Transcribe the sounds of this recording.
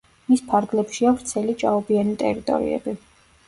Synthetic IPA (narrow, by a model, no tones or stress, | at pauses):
mispʰaɾɡlɛpʃiavɾt̪sʰɛlit͡ʃʼaɔbianit̪ʼɛ̰ɾit̪ʼɔ̰ɾḭɛ̰bi